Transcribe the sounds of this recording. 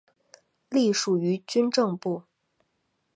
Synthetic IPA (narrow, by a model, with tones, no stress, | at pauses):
li˥˩ʂu˨˩y˧˥t͡ɕy˥nʈ͡ʂɤ˥˧ŋpu˥˩